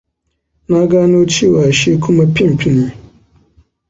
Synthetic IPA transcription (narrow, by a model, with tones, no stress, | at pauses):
nã˦ɡa˦nʊ̃˦o˦t͡ɕʰi˦˨wa˨a˨ɕi˦kʰũ˦mã˦pʰĩ˦m˨pʰĩ˦nĩ˦